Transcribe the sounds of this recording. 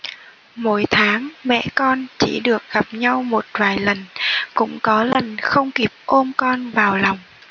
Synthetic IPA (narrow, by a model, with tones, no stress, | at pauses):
mo̰˧˩jt̪ʰaː˨˦ŋmɛ̰˧˨kɔ˧nt͡ɕḭ˧˩ɗɨ˨˩ək̚ɣa˨˩p̚ɲa˧wmo˨˩t̚vaː˨˩jlə˨˩nkʊ̰˧˥ŋ͡mkɔ˨˦lə˨˩nxə˧wŋ͡mki˨˩əp̚ʔo˧mkɔ˧nvaː˨˩wla˨˩wŋ͡m